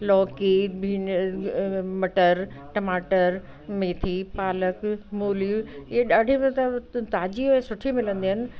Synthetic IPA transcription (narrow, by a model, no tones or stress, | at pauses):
lɔːkibʱiː | mɐʈəɾ | ʈɐmaːʈəɾ | meːt̪ʰipaːləkmoːlueɗaːɖʱimẽt̪ɐt̪aːd͡ʑiɦʊesʊʈʰimɪlə̃nd̪iɦənɪ̆